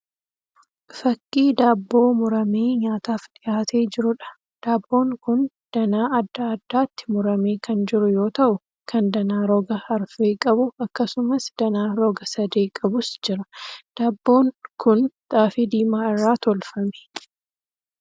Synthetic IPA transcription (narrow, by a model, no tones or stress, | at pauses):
fɐkʼːiːd̪aːbːo̞ːmʊɾɐmeːɲaːt̪aːfᶑ̪ɪʔaːt̪ʰe̞ːd͡ʒɪɾʊᶑɐ̥ | d̪̥aːbːo̞ːŋkʊn | d̪̥ɐnaːɐd̪ːaːd̪ːaːt̪ːɪ̥mʊɾɐme̞ːkʰɐnd͡ʒɪɾʊjo̞ːt̪ɐʔʊ | kʰɐnd̪ɐnaːɾɔɡɐhɐɾfeːkʼɐbʊɐkːɐsʊmɐsd̪̥ɐnaːɾɔɡɐsɐd̪e̞ːkʼɐbʊsd͡ʒɪɾɐd̪̥aːbːo̞ːŋkʊnt̪ʼaːfɪd̪iːmaːɪrːaːt̪ɔlfɐme̥